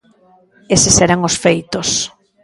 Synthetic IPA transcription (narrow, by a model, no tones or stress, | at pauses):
esɪseɾaŋosfejt̪os